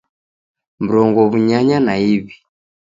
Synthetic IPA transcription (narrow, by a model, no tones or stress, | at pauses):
m̩ɾɔŋɡɔβuɲaɲanaiβi